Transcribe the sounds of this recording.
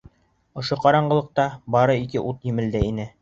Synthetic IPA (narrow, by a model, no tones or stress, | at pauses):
ŏʃoqɑɾɑɴɢɤ̆lˠɤ̆q̚t̪ɑbɑɾɤikɘʔut̪jɘ̆mɘ̆ld̪ɘinɘ